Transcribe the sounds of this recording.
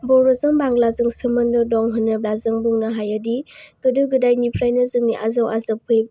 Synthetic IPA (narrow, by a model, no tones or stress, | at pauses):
bɔwɾɯzɯŋbaŋlazɯŋsɯmɯnːɯdɔŋɦɯnːɯblazɯŋbuŋnɯɦajɯdiɡ̥ɯdɯɡɯdajnipʰɾajnɯzɯŋniʔazawazɯpʰɯj̚